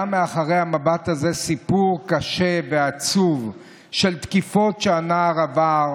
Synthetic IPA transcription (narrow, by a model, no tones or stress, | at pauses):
ameaχaʁe̞jhamabat̪haze̞sipuʁkaʃe̞veat͡suv | ʃe̞lt̪kifo̞tʃeanaʁavaʁ